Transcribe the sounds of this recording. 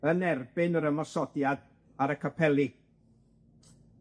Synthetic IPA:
ənɛrbɪnəɾəmɔsɔdjad | aɾəkʰapʰɛlˠi

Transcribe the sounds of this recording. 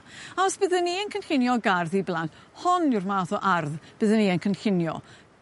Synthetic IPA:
aɔsb̥ɪðənːiənkʰənɬɪnjɔɡarðiblˠant | hɔnɪwrmaːθɔʔarðb̥əðənːiːənkʰənɬɪnjɔ̰

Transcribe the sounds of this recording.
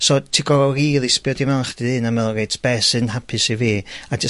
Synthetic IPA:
sɔtʰiɡɔriːlˠɪspjɔdimɛlˠχd̥ɨðɨnamɛlˠɡejtʰb̥ɛsɨnɦapʰɨsiviːad͡ʒə

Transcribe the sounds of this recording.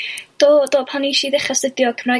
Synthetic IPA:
d̥oːdoːpʰaniʃiðɪχasədjɔkʰəmra

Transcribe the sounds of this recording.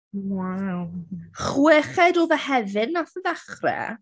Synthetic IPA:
wawχwɪχɛduːðəhɛvɨnːaθəðaχrɛ̰

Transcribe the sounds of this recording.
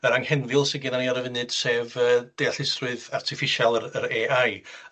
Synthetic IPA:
əɾaŋhɛnvɪlˠsɪɡɪnaniaɾəvɪnɨd̥seːvəːd̥ɛjaɬɪsrɨɨðartʰɪfɪʃalˠəɾəɾeːaj

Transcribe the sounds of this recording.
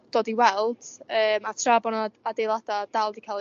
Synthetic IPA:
d̥ɔːdiwɛlˠd̥əːmatʰrabɔnaadejlˠad̥ad̥alˠdikʰalˠ

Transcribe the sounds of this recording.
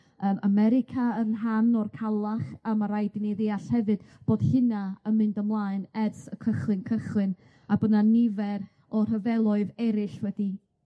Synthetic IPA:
əːmʔamɛɾɪkʰaənɦanɔrkʰalˠaχamaɾajdɪnɛðɪaɬhɛvɨdb̥oːd̥hɨnaəmɨndəmlˠaːɨnɛrsəkʰəχlˠɨnkʰəχlɨn | abənanɪvɛɾ | ɔr̥ɦəvɛlˠɔɨðɛɾɪɬwɛdi

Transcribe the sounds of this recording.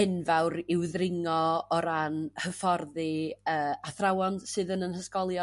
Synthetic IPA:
ɪnvawɾɪwðrɪŋɔɔɾanhəfɔrðɨəːaθrawɔnsɨːðənənhəskɔlˠjɔ

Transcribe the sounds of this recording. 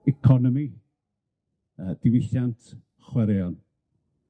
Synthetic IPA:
ɛkʰɔnɔmi | əːd̥ɪwɪɬantʰ | χwɛɾɛɔn

